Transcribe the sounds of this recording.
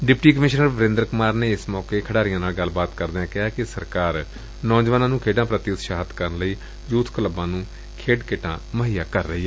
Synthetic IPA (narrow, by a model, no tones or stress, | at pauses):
ɖɪpʈiːkəmɪʃnəɾʋəɾɪ̃ːnd̪ɾkʊmaːɾneːɪsmɔːkeːkʰəɽaːɾɪjãːnaːlɡəlbaːt̪kəɾd̪eːãːkɪɦaːkɪsəɾkaːɾ | nɔːd͡ʒʋaːnãːnũːkʰeːɖãːpɾət̪ɪʊt̪ʃaːɦət̪kəɾənləiː | juːt̪ʰkələbãːnũː | kʰeːɖkɪʈãːməɦiːjaːkəɾːəɦiːɦɛː